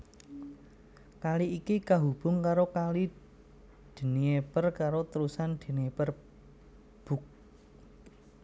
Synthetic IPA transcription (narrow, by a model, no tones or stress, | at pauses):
kaliikikaɦub̥ʊ̤ŋkaɾokali | d̪̥ə̤niepərkaɾot̪əɾusand̪̥ə̤niepər | b̥ṳk̚